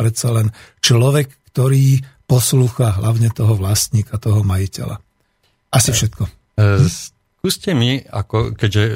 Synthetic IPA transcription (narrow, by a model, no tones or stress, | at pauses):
ɾɛt̪salɛnt͡ʃlɔʋɛkːt̪ɔɾiːpɔsluːxaɦlʔaʊɲɛt̪ɔɦɔʋlast̪ɲiːkat̪ɔɦɔmajicɛ̰la̰ | ʔasifʃɛt̪kɔ | s | kuːscɛmiakɔ̰kɛɟʒɛ